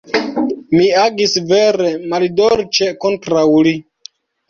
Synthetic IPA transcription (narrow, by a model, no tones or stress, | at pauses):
miaɡisveɾemaldoɾt͡ʃeko̞ntɾawli